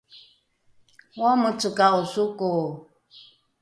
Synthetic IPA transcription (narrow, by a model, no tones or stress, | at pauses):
wɔmət͡sɨkaosuko